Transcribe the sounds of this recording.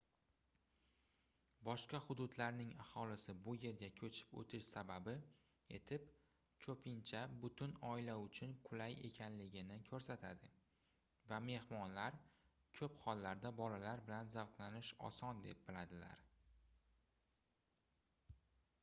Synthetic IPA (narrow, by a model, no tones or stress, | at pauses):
bɒʃqɑhʊd̪ʊd̪laɾnɪŋahɒlɪsɪbʊje̞ɾɡʲakʲʰɵt͡ʃʰɪ̥pɵ̰t̪ʰɪʃsababɪ | e̞̰t̪ʰɪp | kʲʰɵpʰɪnt͡ʃʰabʊt̪ʰʊnɒɪlaʊt͡ʃʰʊnqʰʊlaje̞̰kʲʰanlɪɡʲɪnɪkʲʰɵɾsat̪ʰad̪ɪ | vame̞hmɒnlaɾ | kʲʰɵpχɒlːaɾd̪abɒlalaɾbɪlanzavqlanɪʃɒ̰sɒnd̪e̞p̚bɪlad̪ɪla̰ɾ